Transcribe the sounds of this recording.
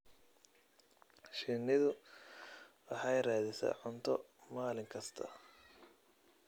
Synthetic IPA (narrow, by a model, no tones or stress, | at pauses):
ʃɪnɪðʊ | wɑħɑjraːðɪsa̰ːʕʊnt̪ʰɔmaːlɪŋkʰɐst̪ʰɐ̰